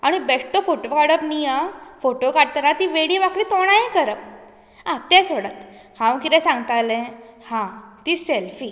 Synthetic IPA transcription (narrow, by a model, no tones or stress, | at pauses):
aɽ̃ibeʂʈ̪ofoʈokaɽəpnijafoʈokaɽ̚t̪əɾat̪iʋeɽiʋakɭiːt̪oɽ̃aẽkəɾəp̚ | ãt̪ɛ̃soɽət̪ | kʰãʋkit̪ɛ̃sãŋɡt̪alɛ̃hãt̪iːselfi